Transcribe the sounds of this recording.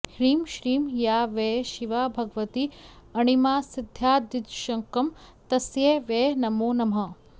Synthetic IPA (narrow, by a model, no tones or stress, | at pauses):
hɾiːmʃɾiːmjaːʋeʃiʋabʱɐɡʋɐt̪iɐɳ̃imaːsɪd̪ʱːjaːd̪ɪd̪ʃɐŋkɐm | t̪ɐsjeʋeːnɐmoːnɐmɦɐ